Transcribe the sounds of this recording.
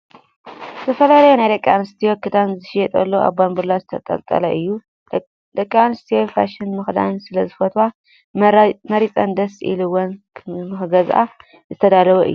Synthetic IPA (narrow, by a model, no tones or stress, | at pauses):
zɐfɐlalɐjonajɾɐkʼanɨst̪ʰijokʰɨd̪anzɨʃjɛt̪ʼɐlːoʔa̰βbanbɨɾlazɨt̪ʰɐt̪ʼɐ̰lt̪ʼɐ̰lɐʔɨjːu | d̪ɐkʼːanɨst̪ʰijofa̰ʃɪnmɨxd̪a̰nsɨlɐzɨfɐt̪wa | mɐɾit͡sʼɐnd̪ɐsʔḭlɨwɔn | mɨxɡɐzʔa̰ | zɨt̪ʰɐd̪alɐβɐʔɨ̰ːu